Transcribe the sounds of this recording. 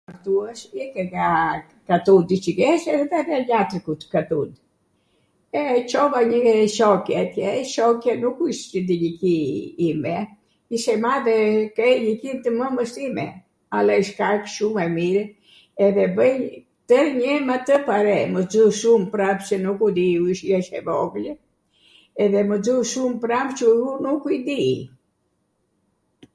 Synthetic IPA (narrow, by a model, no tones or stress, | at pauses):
aɾt̪uaʃɛkɛɡa | kat̪ud̪it͡ʃəɡɛʃɛðɛðɛlat̪ikut̪kat̪un | ɛt͡ʃɔvaɲəʃɔkjɛt̪jɛʃɔkjɛnukuiʃəd̪iɲəkiimɛ | iʃɛmaðɛkɛɲəkint̪əməməʃt̪imɛ̰ | alɛiʃkakʃumɛmiɾ | ɛðɛbəj | t̪əɾɲɛmat̪əpaɾɛməd͡zuʃumpɾavt͡ʃənukud̪iuiʃjɛʃɛ̰vɔɡl | ɛðɛməd͡zuʃumpɾavt͡ʃəunukuid̪i